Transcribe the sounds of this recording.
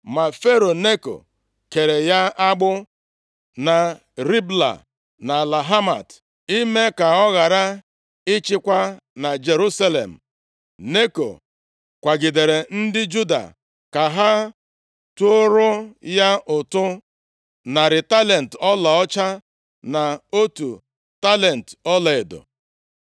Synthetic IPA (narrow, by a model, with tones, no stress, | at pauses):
ma˨fe˦ɾo˨ne˦ko̰˨ | ke˨ɾe˨ja˦ʔa˦ɡ͡bʊ˦ | na˨ | ɾi˦bla̰˨ | na˨la˨ɦa˦ma̰˨t | i˦me˦ka˨ɔ˦ɣa˨ɾa˦ | ɪ˦t͡ʃɪ˦kʷa˦ | na˨d͡ʒe˨ɾu˦sa˦lḛ˨m̩˨ | ne˦ko̰˨ | kʷa˨ɡɪ˨de˨ɾe˨n̩˦dɪ˦d͡ʒu˦da̰˨ | ka˨ɦa˦ | tu˦o˦ɾʊ˦ja˦ʔʊ˨tʊ˦ | na˨ɾɪ˨ta˦le˨n̩˨tɔ˦la˨ɔ˦t͡ʃa˦ | na˨o˦tu˨ | ta˦le˨n̩˨tɔ˦la˨e˨dʊ̰˨